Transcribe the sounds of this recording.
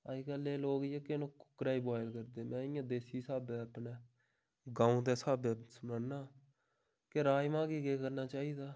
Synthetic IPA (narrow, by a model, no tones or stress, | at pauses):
aːiːkəlːeːloːɡɪjeːkenõːkʊ̥kːɾaːiːbaːɪlkəɾd̪eːmɛ̃ːɪjãːd̪eːsiːsaːbeːəpneː | ɡãːũːt̪eːsaːbeːsʊmaːnaː | keɾaːjmãːɡiːɡeːkəɾnaːt͡ʃaːiːd̪aː